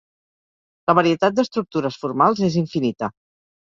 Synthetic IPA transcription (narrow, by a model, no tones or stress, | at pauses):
ləβəɾiət̪at̪̚d̪əst̪ɾuk̚t̪uɾəsfuɾmalˠzeziɱfinit̪ə